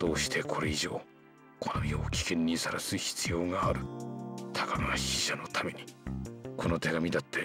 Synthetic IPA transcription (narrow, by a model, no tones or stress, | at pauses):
d̪̥o̞ːɕi̥t̪ʰe̞kʰo̞ɾe̞iʑo̞̰ː | kʰonomʲioːkʲi̥kẽ̞ɲ̟ːisaɾasɨçi̥t͡sɨjo̞ːŋaːɾɯ̟t̪ʰakaɡaaçiɕano̞t̪ʰame̞ɲ̟ikʰo̞no̞t̪e̞ɡamʲid̪at̪ʰːe̞